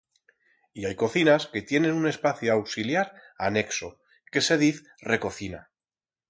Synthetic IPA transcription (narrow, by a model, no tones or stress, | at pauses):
iajko̞θinaske̞t̪je̞nẽ̞nune̞spaθjoawksiljaɾane̞kso̞ | ke̞se̞ð̞iθ | re̞ko̞θina̰